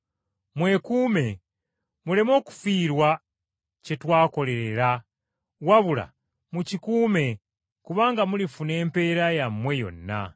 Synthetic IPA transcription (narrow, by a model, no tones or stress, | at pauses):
mwe̞kuːme̞ | mule̞mo̞ːku̥fiːɾwa | cetwaːko̞le̞ɾe̞ɾa | waβula̰ | mucikuːme̞ | kuβaːŋɡamulifune̞ːmpe̞ɾajamwe̞jo̞̰nːa̰